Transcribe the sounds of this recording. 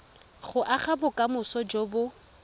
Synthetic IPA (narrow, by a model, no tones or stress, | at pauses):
χʊʔaχabʊkʼamʊsɔd͡ʒobʊ